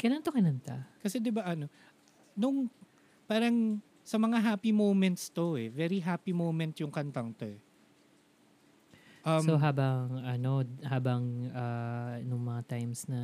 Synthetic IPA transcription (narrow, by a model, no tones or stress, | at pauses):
kɐjlaːŋɐnt̪okɪnɐnt̪akɐsɛd̪ɪbaʔɐno̞ | nʊŋ | paːɾɐŋ | sɐmɐŋaɦaːpimowmɛnt̪st̪o̞ʔɛvɛɾiɦaːpimowmɛnt̪jʊŋkɐnt̪ɐŋt̪o̞ɛ | ʔɐmoɦaːbɐŋʔɐno̞haːbɐŋʔanʊŋmɐŋat̪ajmsnɐ